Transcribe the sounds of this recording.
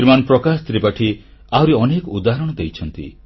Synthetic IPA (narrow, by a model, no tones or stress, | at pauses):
iɾmanpɾɔkast̪ɾipaʈʰi | awɾeɔnekɔud̪aɦɔɾɔɽ̃ɔd̪ejt͡ʃʰɔnt̪ḭ